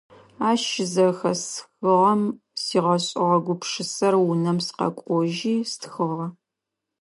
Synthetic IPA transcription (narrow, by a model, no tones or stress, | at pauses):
aːʃɪzɐxɐsxɨʁɐm | siːʁɐɕʼɪʁɐɡʷʊpʂɨsɐrwʊnɐmsqɐ̰kʷʼɔʒiːstxɨʁɐ